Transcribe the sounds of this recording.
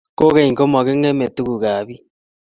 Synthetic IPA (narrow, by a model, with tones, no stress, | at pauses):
ko˦ɣe˦i˨ŋko˦ma˨ɣe˦ŋe˦me˨tu˦ku˨ɣa˨βi˦